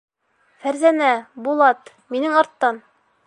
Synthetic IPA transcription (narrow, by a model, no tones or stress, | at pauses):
fæɾzænæbulˠɑt̪ | minɘŋɑɾt̪ːɑn